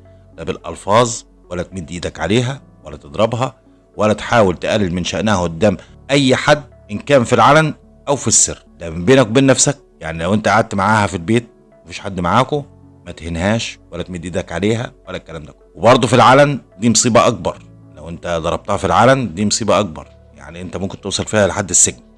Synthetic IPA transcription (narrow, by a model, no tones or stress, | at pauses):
læbelʔɑ̰lfɑːzˤ | wælːæt̪med̪ʔiːd̪ækʕaleːɦæ | wælːæt̪ed̪ˤɾˤɑbɦɑ | wælːæt̪ħaːwelt̪eʔælːɪlmenʃæʔnæhæʔod̪ːæːm | ʔæjːħad̪ːʔenkæːnfilʕalæm | ʔæwfisːɪrlæʔmembeːnækbeːnːæfsæk̚jaʕnilæwʔent̪æʔaʕad̪̚t̪maʕaːhæfilbeːt̪̚ | mæfiːʃħad̪ːmaʕaːko | mæt̪henhæːʃwælæt̪med̪iːd̪ækʕaleːɦæwælːækːælæːmd̪ækwebɑɾˤd̪ˤufilʕalæmd̪iːmɑsˤiːbɑʔɑk̚bɑɾˤ | læwʔent̪æd̪ˤɑɾˤɑb̚t̪ɑhɑfilʕalæmd̪iːmɑsˤiːbɑʔɑk̚bɑ̰ɾˤ | ja̰ʕniʔent̪æmomkent̪owsˤɑlfiːhæleħad̪ːesːeɡni